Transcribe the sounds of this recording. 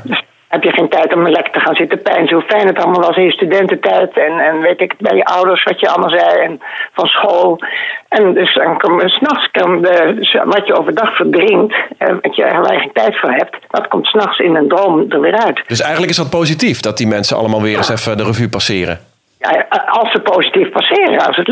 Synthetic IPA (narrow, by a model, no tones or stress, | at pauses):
døs | hɛpjəxeːntɛjtɔmənlɛkə̥təxaːnz̥ɪtəpɛjnsəhufɛjnətɑlˠmaːlˠʋɔlsɪnjəstydɛntətɛjtɛnɛnʋeːtɪkbɛjəʔɔwdəɹsʋɔtjəɑlˠmalˠzɛjɛnfɔnsxoːlˠɛndøsdɔnkoməsnɔxskɔdəsʋɔtjəoːvərdɑxfədrɪŋtʋtjə̰ɛ̰əlˠtɛ̰χentɛjtfoːɹɦɛp̚tdɔtkomtsnɑxsɪnəndrowmdərʋɪːɾœɥtdøsɛjχənləkɪsdɔt̚powzitifdɔt̚dimɛnsənɑ̰ləmaːlˠʋɪːrəsɛfədərəvypasɪːɾə̰ | ja̰ɑlˠsəpoːsitifpasɪːrə̰ɑ̰lˠsət